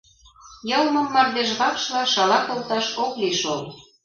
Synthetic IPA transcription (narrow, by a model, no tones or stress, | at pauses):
jɤlmɤ̆mːɑrd̪eʃβɑkʃlɑʃɑlɑkolt̪ɑʃokliʃol